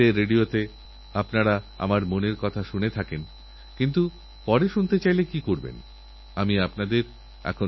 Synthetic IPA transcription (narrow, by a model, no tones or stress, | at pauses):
eɾeɖiot̪e | apnaɾa | a̰maɾmoneɾkɔt̪ʰaʃunet̪ʰaken | kint̪u | pɔɾeʃunt̪et͡ɕajlekikoɾbḛn | amiapnad̪eɾ | ɛ̰kʰo